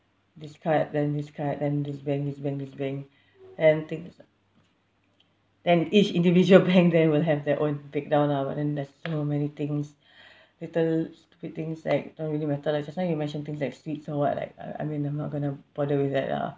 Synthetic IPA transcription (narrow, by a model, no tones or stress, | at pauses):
diskʰat̚dɛ̃ndiskʰat̚dɛ̃ndisbɛ̃ŋk̚disbɛ̃ŋkdisbɛ̃ŋ | dɛ̃nt̪ĩŋs | d̥ɛ̃nit͡ʃĩndivid͡ʒuəlbɛ̃ŋk̚dɛ̃nwilɦɛvdɛʔõnbek̚dãʊ̃naba̰ʔ̚dɛ̃ndɛssomɛnit̪ɪ̃ŋs | litəlstu̥pid̚t̪ĩŋsla̰ɪk̚dõntɹilimɛtəlak̚d͡ʒasnajumɛ̃nʃə̃nt̪ɪ̃ŋs̬laɪkswitsɔwɔt̚la̰ɪk̚a̰a̰ɪmĩnãɪmnɔt̚ɡonəb̥ɔdəwiθdɛ̰t̚a̰